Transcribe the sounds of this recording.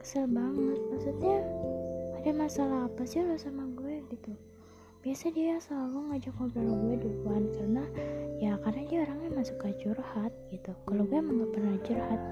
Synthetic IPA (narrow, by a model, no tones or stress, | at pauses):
kə̥silbaŋət̪̚masut̪ɲaː | damasalaɦːpasɪlosamaɡuɛɡit̪u | b̥iasadijasəlaluŋad͡ʒakobalɡuɛdukuankarnajakarnadiaoɾaŋɲamasʊ̥kad͡ʒʊrhat̪̚ɡit̪ukaloɡuɛməŋɡapərnad͡ʒurhat̪̚